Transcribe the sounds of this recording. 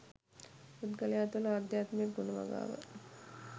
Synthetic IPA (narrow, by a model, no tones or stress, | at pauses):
ud̪kəlejaːt̪ʋəlad̪jaːt̪mekɡunəʋa̰ɡa̰ːʋə̰